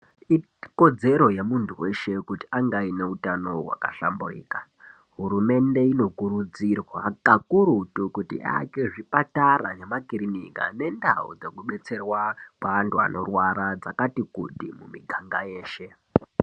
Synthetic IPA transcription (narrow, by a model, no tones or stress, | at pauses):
i | ko̞d͡ze̞ɾo̞jemuntʰuwe̞ʃe̞kuti̥aŋɡaine̞utano̞wa̰kaɬa̰mburḭːka | ɦuɾume̞nde̞ino̞kuɾud͡zirwakakuɾutukutḭʔa̰ke̞ʐipatara̰nemakirinika̰ne̞nda̰ṵd͡ze̞kuɓe̞t͡se̞rwakaantʰua̰no̞̰rwaɾad͡zakatikṵdimumiɡʱaŋɡaje̞ːʃe̞